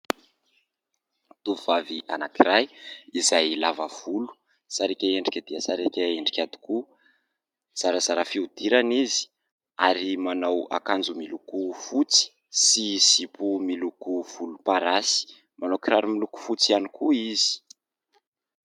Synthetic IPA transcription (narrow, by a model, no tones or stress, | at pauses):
t̪uvuvaviʔa̰nakiɾajizajlavəv̥ulu̥ | saɾekʲaeɳɖ͡ʐikʲad̪iasaɾekʲaeɳɖ͡ʐikʲad̪i̥ku | z̥aɾazaɾafiud̪iɾanizi̥ | aɾimanawa̰kand͡zumilukufut͡si̥ | siz̥ipumilukuv̥ulupaɾasi̥ | mʔanawkiɾaɾumiluku̥fut͡sianikuizi̥